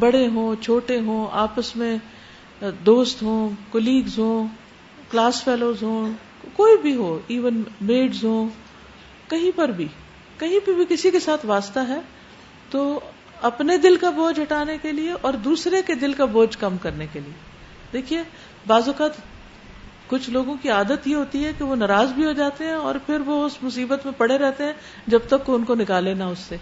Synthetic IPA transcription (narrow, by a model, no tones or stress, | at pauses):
bɐɽeɦõːt͡ʃʰoːʈeɦõːaːpəsmẽ | d̪oːst̪ɦõːkɔliːɡzɦõː | klaːsfɛːloːzɦõː | koːibʱiɦoːiːʋənmeːɖzɦõː | kɐɦĩpɐɾbʱi | kɐɦĩpɐɾbʱikɪsikesaːt̪ʰʋaːst̪aɦɛː | t̪oː | ɐpned̪ɪlkaboːd͡ʒɐʈaːnekelieʔɔːɾd̪uːsɾeked̪ɪlkaboːd͡ʒkɐmkɐɾnekelie | d̪eːkʰie | baːzʊkaːt̪ | kʊt͡ʃʰloːɡõkiaːd̪ət̪jeɦoːt̪iɦɛkiʋonɐɾaːzbʱiɦod͡ʒaːt̪eɦɛ̃ɔ̰ːɾpʰɪɾʋoʊsmʊsiːbət̪mẽpɐɽ̤eɾɛɦt̪eɦɛ̃ | d͡ʒɐb̚t̪ɐkːoʊnkonɪkaːlenaʊsːeː